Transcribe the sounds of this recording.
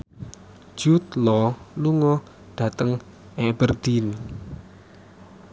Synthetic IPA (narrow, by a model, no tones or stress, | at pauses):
ʒ̥ut̪lɔluŋɔ | ɖ̪̥ä̤t̪əŋ | ʔebərd̪̥in